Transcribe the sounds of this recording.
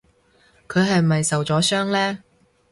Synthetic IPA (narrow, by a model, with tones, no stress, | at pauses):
kʰɵ˨˧ɥɦɐ˨jmɐ˨jsɐ˨wt͡sɔː˨˥sœː˥ŋlɛː˥